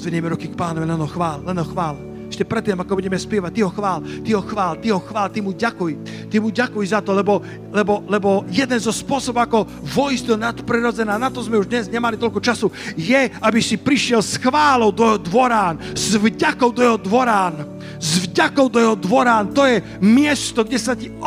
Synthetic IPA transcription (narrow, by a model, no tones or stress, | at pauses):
zʋɛɲɛmɛɾukikpaːnɔʋɛɛnɦɔxʋaːllɛnɦɔxʋaːl | ɛʃcɛpɾɛt̪ːiːmakɔbuɟɛmɛspjɛʋac̚t̪iɦɔxʋaːlt̪iɦɔxʋaːlt̪iɦɔxʋaːlt̪imuɟakuj | t̪imuɟakujzat̪ɔlɛbɔ | lɛbɔlɛbɔjɛd̪ɛnzɔspʊɔsɔbɔʊakɔ | vɔizd̪ɔnat̪pɾiɾɔd͡zɛnaːnat̪ɔzmɛuʒd̪ɲɛzɲɛmalit̪ɔlʲkut͡ʃasujɛabisipɾiʃɪɛlsxʋaːlɔʊd̪ɔjɛɦɔd̪ʋɔɾaːnz̥vɟakɔʊd̪ɔjɛɦɔd̪ʋɔɾaːn | zvɟakɔʊd̪ɔjɛɦɔd̪ʋɔɾaːnt̪ɔjɛ | mɪɛst̪ɔɡɟɛsaci